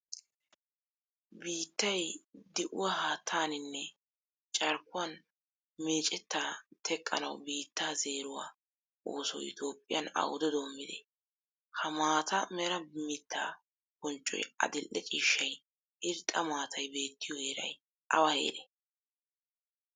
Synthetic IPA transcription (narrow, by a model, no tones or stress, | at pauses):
biːt̪ːɐjd̪ɪʔʊ̰wahaːt̪ʰːaːnɪnːɛ | t͡ʃʼɐɾkːʊwɐn | me̞ːt͡ʃʼɛt̪ːaːt̪ʰɛkʼːɐ̰nɐ̰wbiːt̪ːaːze̞ːɾʊwa̰ː | oːsɔ̰jɪ̰t̪ʰo̞ːpʼːɪjɐnɐ̰wʊd̪ɔd̪oːmːɪd̪ɛ̰ | hɐmaːt̪ʰɐmɛɾɐmɪt̪ʰːa̰ː | bɔnt͡ʃʼːɔ̰jɐ̰d̪ɪlʔːɛt͡ʃʼiːʃːɐj | ʔɪɾt̪ʼːɐmaːt̪ʰɐjbe̞ːt̪ːɪjɔheːɾɐ̰j | ʔɐwɐhḛːd̪ɛ